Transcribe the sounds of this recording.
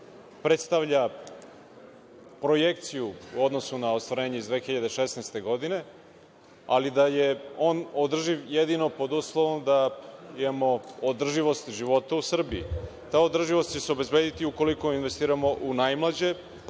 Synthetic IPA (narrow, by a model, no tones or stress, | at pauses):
pɾe̞t̪st̪aʋʎa | pɾo̞je̞k̚t̪sijuuo̞d̪nosunaost̪ʋaɾe̞ːɲeizd̪ʋe̞ːxiʎad̪eʃesnejst̪e̞ɡo̞d̪ine̞ | a̰lid̪ajeo̞ːnod̪r̩ʒiʋjed̪ino̞po̞d̪uːslˠoʋo̞md̪aimamo̞od̪r̩ʒiʋo̞st̪ʒiʋo̞t̪ausr̩biḭt̪aːo̞d̪r̩ʒiʋo̞st̪̚t͡ɕeseo̞be̞zbe̞ːd̪it̪iuko̞liko̞inʋe̞st̪iːɾamo̞ʔunajmlad͡ʑe̞